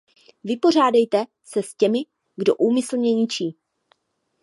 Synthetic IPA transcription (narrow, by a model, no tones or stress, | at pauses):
vɪpo̞r̝aːdɛjt̪ɛ | sɛscɛmɪ | ɡdo̞ʔuːmɪsl̩mɲɛɲɪt͡ʃiː